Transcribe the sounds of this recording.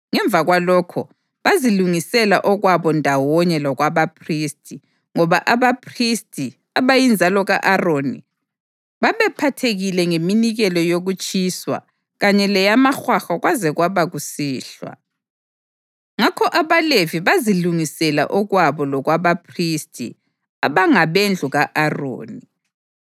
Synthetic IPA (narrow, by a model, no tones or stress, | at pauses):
ŋɛɱb̪vʱaɣwalɔkʰɔ̰ | βaziluŋisɛla̰ʔɔɣwaβɔndʱawɔɲɛlɔɣwaβapʰristʼʰi | ŋɔβaʔaβapʰristʰʼi | aβajind͡zʱalɔɣa̰ʔaroːni | βaβɛpʰatʰeɣilɛŋeminiɣɛlɔjoɣut͡ʃʼiswa̰ | ɣaɲɛlɛjamaxwaxaɣwazɛɣwaβaɣusiːɬwa̰ | ŋakʰɔʔaβaleviβaziluŋisɛla̰ʔɔɣwaβɔlɔɣwaβapʰristʰʼḭ | aβaŋaβend͡ɮʱuɣaʔaro̰ːni